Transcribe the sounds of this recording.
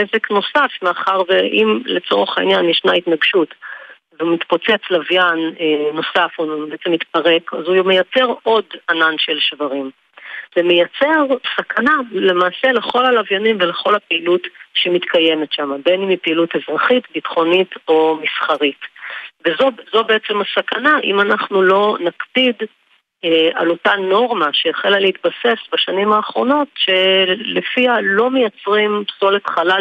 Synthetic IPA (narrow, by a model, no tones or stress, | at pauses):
ezekno̞safmeaχaʁveʔimlet͡so̞ʁeχaḭnjanjeʃnaitnaɡʃut | veumit̪po̞t͡se̞t͡slavjanːo̞safobeet͡semit̪paʁe̞kazujme̞jat͡se̞ʁo̞dananʃelʃvaʁim | zemejat͡se̞ʁsakʰanale̞maːse̞le̞χo̞lalavjanimveleχo̞lhapeilutʃemitkaje̞metʃamabenimipeilute̞zʁaχitbitχo̞nito̞misχaʁitvezozo̞beet͡se̞masakanaʔḭmanaχnulo̞nakpid | a̰lo̞tano̞ʁmaʃejaχelaleit̪base̞sbaʃanimaːχʁo̞no̞tʃe̞lefialo̞me̞jat͡sʁimpso̞letχala